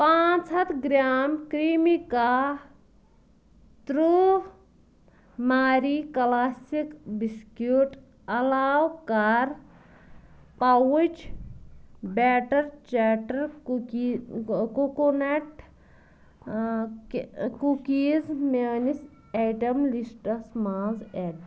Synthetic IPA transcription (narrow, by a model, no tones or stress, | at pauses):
pãːt͡ʃɐt̪ʰɡɾaːmkɾimika | t̪ɾu | maːɾikɐlaːsikbiskjuʈ | ɐlaːwkɐɾ | pawut͡ʃ | beːʈɐɾt͡ʃaːʈɐɾ | kukoneʈ | kukiːzmenis | eːʈɐmlisʈɐsmaːnzeːʈ